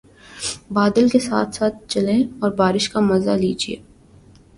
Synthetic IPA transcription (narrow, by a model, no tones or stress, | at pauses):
baːd̪əlkesa̰ːt̪ʰsaːt̪̚t͡ʃɐlẽɔːɾbaːɾɪʃkamɐzaliːd͡ʒiḛː